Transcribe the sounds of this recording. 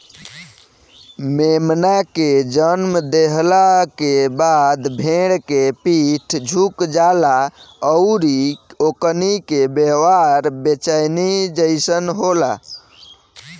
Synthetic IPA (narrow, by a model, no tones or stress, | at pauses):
memnaked͡ʒənmd̪eɦlakebad̪bʱeɽkepiʈʰd͡ʒʱukd͡ʒalaəʊɾioknikebewaɾbet͡ʃajnid͡ʒəɪsənɦola̰